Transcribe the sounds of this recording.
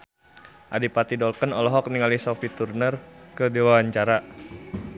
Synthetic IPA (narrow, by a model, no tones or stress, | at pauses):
ʔadipat̪idɔlkənɔlɔɦɔk̚niŋalisɔfit̪urnərkədiwawaɲt͡ʃaɾa